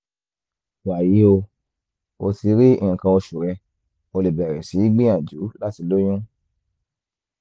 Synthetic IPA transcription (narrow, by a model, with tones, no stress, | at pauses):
wa˨ji˨˦o˧ | o˧ti˧ɾi˦ĩ˨ĩ˨kã˧o˧ʃu˨ɾɛ˧ | o˧le˨bɛ˨ɾɛ˨si˨˦i˦ɡ͡bĩ˦ã˨d͡ʒu˨˦la˦ti˧lo˦jũ˦